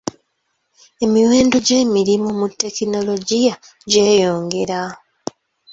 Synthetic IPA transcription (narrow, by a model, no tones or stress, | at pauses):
e̞miɾwe̞ːndo̞ɟe̞ːmiɾimumutːe̞kino̞lo̞ɟija | ɟe̞ːjo̞ːŋɡe̞ɾa